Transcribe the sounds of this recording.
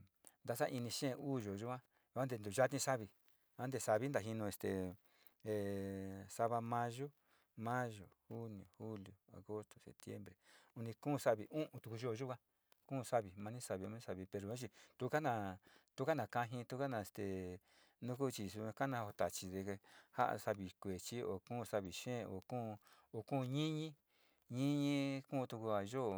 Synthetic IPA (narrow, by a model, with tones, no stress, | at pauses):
nd̪a˧sa˦ʔi˧nĩ˧ʃẽ˦˧uː˦˨ʒo˨ʒu˦ã˦˧ | a˦nd̪e˧nd̪u˨ʒa˦t̪ĩ˧sa˦βi˧ | ã˦nd̪e˧sa˧βi˦nd̪a˨ɦi˧nũ˧e˧st̪ḛ˨ | e˨sa˧βa˧mã˧ʒo˦ | mã˦ʒo˨hu˦ni˨o˨hu˦ljo˨a̰˨ɣo˦st̪o̥˨sḛ˨p̚t̪jḛ˦mbɾe˨u˧nĩ˧kũ˦˨˧sa˦βi˨˧ʔũ˦ʔũ˧t̪u˧ku˧ʒo˦˨˧ʒu˦kã˦ | kũ˦˧sa˦βi˨mã˧nĩ˦sa˧βi˧u˧˦nĩ˦sa˧˨βi˧pe˧˨ɾo˨ã˦t͡ʃ̬i˧t̪u˦˧˦ka˦nã˧t̪u˦ka˦nã˨kã˧ɦĩ˧t̪u˦ka˦nã˧˨st̪e˨ | nũ˦k̬u˦˧t͡ʃi˧su˧ã˧ka˦nã˧o˧t̪a˨t͡ʃi˧ðe˧ha̰˦ʔa̰˧sa˧βi˨kʷe˨t͡ʃi˦o̰˨kũː˦˨˧sa˦βi˨ʃẽː˦˨o̰˨kũː˦˧ | o˧kũː˦˧ɲĩ˦ɲĩ˦ | ɲĩ˦ɲĩ˦kũ˦˧t̪u˧ku˧a˨ʒo˦˨